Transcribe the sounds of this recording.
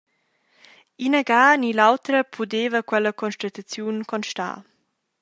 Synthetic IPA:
inəɡaːnilawt̪ɾəpʰudeːvəkwɛləkʰɔnʃtat̪at͡sjunkʰɔnʃta̰ː

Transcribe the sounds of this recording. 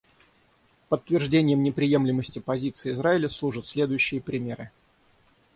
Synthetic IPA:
pətt̪ːvʲɪrʐdʲenʲɪjəmnʲɪpɾʲɪje̞mlʲɪməsʲtʲɪpɐzʲit̪sɨɪɪzɾaɪlʲəslˠuʐət̪sʲlʲe̞d̪ʊjʉɕːɪjəpɾʲɪmʲe̞ɾɨ

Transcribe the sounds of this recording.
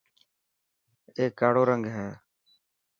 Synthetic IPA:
eːkːaːɽoːɾəŋɡɦɛ̃ː

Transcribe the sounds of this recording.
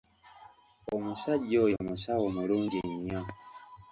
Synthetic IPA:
omusaɟɔjomusawomuɾuŋɡiɲɔ

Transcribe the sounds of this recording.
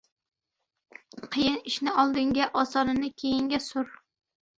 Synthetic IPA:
qʰɨjɪnɪʃnɪɒlˠd̪ɪŋɡʲaʔɒsɒnɪnɪkʲʰejɪŋɡʲasʊɾ

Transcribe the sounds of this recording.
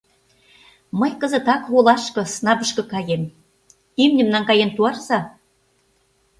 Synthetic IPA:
məjkəzə̆t̪ɑkɣolɑʃkɤ̆snɑβə̆ʃkɤ̆kɑjem | ymnʲɘ̆mnɑŋkɑjent̪uɑrzɑ

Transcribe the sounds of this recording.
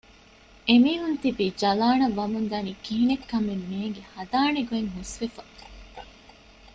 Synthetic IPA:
emiːɦunt̪ibiːd͡ʒɐlaːnɐʋːɐmund̪aːniːkiɦinekːɐmemːeːŋɡehɐd̪aːɳeɡueŋɦusʋefɐ

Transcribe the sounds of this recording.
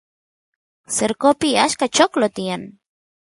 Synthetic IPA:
səɾkopiaʃkat͡ʃoklot̪ian

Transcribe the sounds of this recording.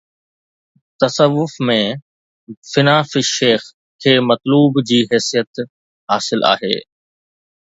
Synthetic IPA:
t̪ɐsəʋːʊfmẽ | fɪnaːfɪʃeːx | kʰeːmɐt̪luːbd͡ʑiːɦɛːsijət̪ | ɦaːsɪlʔa̰ːɦḛː

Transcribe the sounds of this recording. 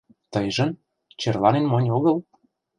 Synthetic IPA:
t̪əjʒə̆n | t͡ɕerlɑnenmonʲoɣə̆l

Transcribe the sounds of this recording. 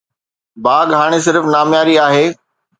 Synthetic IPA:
baːɡɦaːɽ̃es̬ɪɾfnaːmjaːɾiaːɦeː

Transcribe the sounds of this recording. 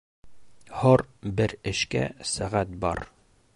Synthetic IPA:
hoɾbɘɾɘ̆ʃkæ̰sæʁæt̪̚bɒ̰ɾ

